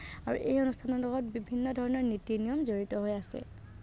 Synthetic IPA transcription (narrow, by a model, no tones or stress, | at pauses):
aɹṵʔejonustʰanɔlɔɡɔt̚bibʱinːɔdʱɔɹɔnɔɹnitːinijɔmzoɹitɔɦojasɛ̰